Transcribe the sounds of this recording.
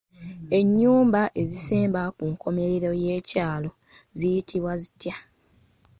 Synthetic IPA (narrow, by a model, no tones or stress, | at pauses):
e̞ɲːuːmbaʔe̞ziseːmbakuŋko̞me̞ɾeɾo̞je̞ːcaːlo̞ | zijitʰiβwazitja